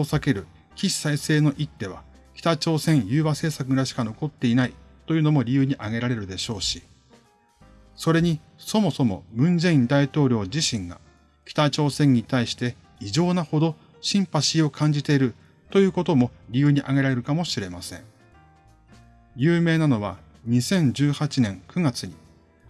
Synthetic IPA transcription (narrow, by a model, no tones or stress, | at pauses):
osake̞ɾɯ̟ | kʲiɕi̥saise̞ːno̞ʔit̪ːe̞β̞a̰ | kʲi̥t̪at͡ɕo̞ːsẽ̞ɰ̃jɯ̟ːβase̞ːsakɯɾaɕi̥kano̞ko̞t̪ːe̞inait̪o̞jɯ̟ːno̞mo̞ɾʲijɯ̟ːɲ̟iʔaɡe̞ɾaɾe̞ɾɯ̟d̪e̞ɕo̞ːɕi | so̞ɾe̞ɲ̟i | so̞mo̞so̞mo̞̰mɯ̟̃nzẽ̞ĩnd̪ait̪o̞ːɾʲo̞ːd͡ʑiɕĩŋɡa̰ | kʲi̥t̪at͡ɕo̞ːsẽ̞ɲ̟ːit̪aiɕi̥t̪e̞ | iʑo̞ːnaho̞d̪o̞ | ɕĩmpaɕio̞kʰãɲ̟d͡ʑit̪e̞iɾɯ̟ | t̪o̞jɯ̟ːko̞t̪o̞mo̞ɾʲijɯːɲ̟iʔaɡe̞ɾaɾe̞ɾɯ̟kamo̞ɕiɾe̞masẽ̞̰ŋ | jɯːme̞ːnano̞β̞a̰ | ɲ̟isẽ̞ɲ̟d͡ʑɨːhat͡ɕinẽ̞ŋkɯ̟ɡat͡sɨɲ̟ḭ